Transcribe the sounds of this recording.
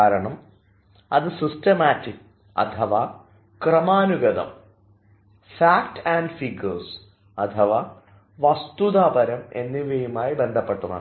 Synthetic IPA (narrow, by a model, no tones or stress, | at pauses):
aːɾɐɳɐm | ɐðɨsistɐmaːtːikː | ɐ̰t̪ʰɐʋa | krɐmaːnuɡɐðɐ̰m | faːkʈaːnɖfiɡɐrs | ɐt̪ʰɐʋa | ʋɐst̪ud̪aːbɐɾɐme̞̰nːiʋeːjumaːjibe̞nd̪ʱɐpːe̞ʈːunːɐ̰